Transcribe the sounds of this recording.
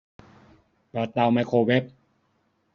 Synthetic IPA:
pɔ˧t̪a˧wma˧jkʰoː˧we˦˥p̚

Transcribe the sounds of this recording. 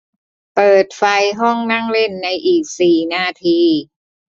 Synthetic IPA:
pɤː˨˩t̪̚fa˧jɦɔ˥˩ŋna˥˩ŋle˥˩nːa˧jʔiː˨˩k̚siː˨˩naː˧˩t̪ʰiː˧

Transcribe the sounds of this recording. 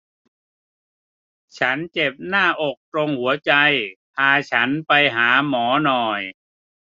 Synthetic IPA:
t͡ɕʰa˦˥nt͡ɕe˨˩p̚naː˥˩ʔo˨˩k̚t̪ɾo˧ŋhu˩˦ɐt͡ɕa˧jpʰaː˧t͡ɕʰa˦˥npa˧jɦaː˩˦mɔː˩˦nɔː˨˩j

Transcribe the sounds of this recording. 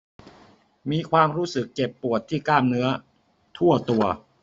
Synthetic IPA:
miː˧kʰwaː˧mɾuː˦˥sɯ˨˩kt͡ɕe˨˩pːu˨˩ət̪ʰːiː˥˩klaː˥˩mnɯ˦˥ɐ | t̪ʰu˥˩ɐt̪u˧ɐ

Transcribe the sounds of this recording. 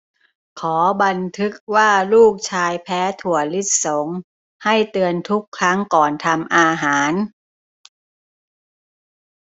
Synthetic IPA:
kʰɔː˩˦ba˧nt̪ʰɯ˦˥k̚waː˥˩luː˥˩k̚t͡ɕʰaː˧jpʰɛː˦˥t̪ʰu˨˩əli˦˥t̪̚so˩˦ŋ | ha˥˩jt̪ɯ˧ənt̪ʰu˦˥kʰːɾa˦˥ŋkɔː˨˩nt̪ʰa˧mʔaː˧ɦaː˩˦n

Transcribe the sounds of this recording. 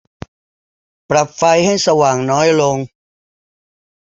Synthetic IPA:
pɾa˨˩p̚fa˧jha˥˩jsa˧waː˨˩ŋnɔː˦˥jlo˧ŋ

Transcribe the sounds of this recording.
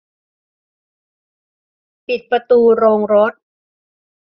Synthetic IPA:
pi˨˩t̪̚pɾa˧t̪uː˧ɾoː˧ŋɾo˦˥t̪̚

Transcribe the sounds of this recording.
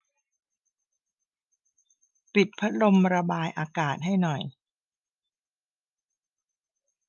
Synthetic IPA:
pi˨˩t̪̚pʰa˦˥t̪̚lo˧mɾa˧baː˧jʔaː˧kaː˨˩t̪̚ɦa˥˩jnɔ˨˩j

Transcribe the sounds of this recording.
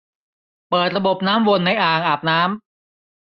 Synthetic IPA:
pɤː˨˩t̪̚ɾa˧bo˨˩p̚naː˦˥mwo˧nːa˧jʔaː˨˩ŋʔaː˨˩p̚naː˦˥m

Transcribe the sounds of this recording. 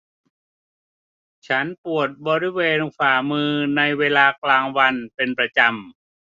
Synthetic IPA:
t͡ɕʰa˦˥npu˨˩ət̪̚bɔː˧ɾi˦˥˩weː˧nkʰaː˨˩mɯː˧na˧jweː˧laː˧klaː˧ŋwa˧npe˧npɾa˧t͡ɕa˧m

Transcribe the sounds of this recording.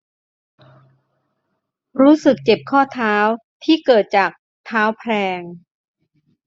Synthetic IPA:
ɾuː˦˥sɯ˨˩k̚t͡ɕe˨˩p̚kʰɔː˥˩t̪ʰaː˦˥w | t̪ʰiː˥˩kɤː˨˩t̪̚t͡ɕaː˨˩k̚ | t̪ʰaː˦˥wpʰɾɛː˧ŋ

